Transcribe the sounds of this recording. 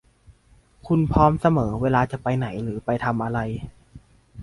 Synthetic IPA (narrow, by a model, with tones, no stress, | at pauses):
kʰu˧npʰɔː˦˥msa˧mɤː˩˦weː˧laː˧t͡ɕa˨˩pa˧jna˩˦jɾɯː˩˦pa˧jt̪ʰa˧mʔa˧ɾa˧j